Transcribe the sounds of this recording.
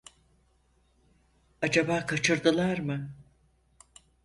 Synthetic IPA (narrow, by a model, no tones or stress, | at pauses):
ad͡ʒabaːkʰat͡ʃʰɯɾd̪ɯlˠaɾmɯ